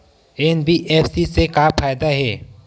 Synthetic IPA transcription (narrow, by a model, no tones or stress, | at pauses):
ɛnbiʔeːfsisekaːpʰaːjd̪aɦɛː